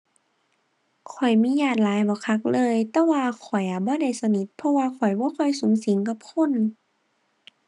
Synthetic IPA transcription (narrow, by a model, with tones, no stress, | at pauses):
kʰɔ˨˩jmiː˧˥˨jaː˧˩t̪̚laː˨˦jbɔː˧˦kʰa˧˥k̚lɤː˧˨jt̪ɛː˧waː˧kʰɔ˨˩jʔa˨˧˩bɔː˧˦da˧˩jsa˧ni˧˥t̪̚pʰɔ˧waː˧kʰɔ˨˩jbɔː˧˦kʰɔ˧˩jsu˨˦ŋsi˨˦ŋk̬a˧˦p̚kʰo˧˥˨n